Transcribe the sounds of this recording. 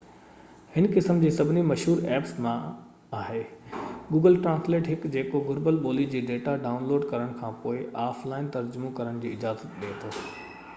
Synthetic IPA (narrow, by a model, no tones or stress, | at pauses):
hɪnkɪsəmd͡ʑiːsɐbʱɪnimɐʃɦuːɾɛːpsmã | aːɦeːɡuːɡəlʈɾãːnsleːʈɦɪkd͡ʑeːkoɡʊɾbəlɓoːlid͡ʑiːɖeːʈaɖaːʊnloːɖkɐɾəɽ̃kʰãːpoːɪʔaːflaːɪnt̪ɐɾd͡ʑʊmokɐɾəɽ̃d͡ʑiːɪd͡ʑaːzət̪̚ɗiet̪ʰoː